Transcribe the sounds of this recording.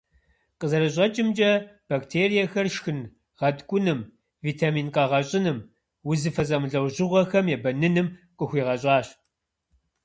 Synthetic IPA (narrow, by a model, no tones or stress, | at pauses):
qəzɐɾɨɕʼɐt͡ʃʼɪmt͡ʃʼɐb̥aktʰeːɾijɐxɐrʃxɨn | ʁɐtkʷʼʊnɨm | viːtʰaːmiːnqɐʁɐɕʼɪnɨm | wʊzɨfɐs̬ʼɐmɨɮɐwʑɪʁʷɔxɐmjɛbɐnɨnɨmqʼəxʷiːʁɐɕʼɑːɕ